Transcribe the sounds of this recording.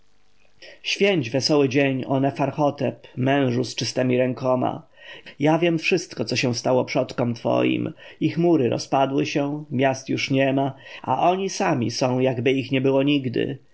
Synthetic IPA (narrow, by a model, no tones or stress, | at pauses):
ɕfʲjeɲd͡ʑvɛsɔwɘd͡ʑeɲɔ̰nɛfaɾxɔt̪ɛpmɛ̃w̃ʐust͡ʂɘst̪ɛmʲiɾɛŋkɔma̰ | javʲjɛmfʂɘst̪kɔt̪sɔɕɛw̃st̪awɔpʂɔt̪kɔmt̪fɔ̰jḭmixmuɾɘɾɔ̰spad̪wɘɕɛmʲjast̪juʂɲɛmaa̰ʔɔɲisamʲḭsɔ̃w̃jaɡbɘixɲɛbɘwɔɲiɡd̪ɘ̰